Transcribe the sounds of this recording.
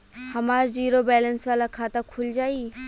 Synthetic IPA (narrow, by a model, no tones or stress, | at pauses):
hɐmaɾziɾobɛlənswalakʰat̪akʰuld͡ʒai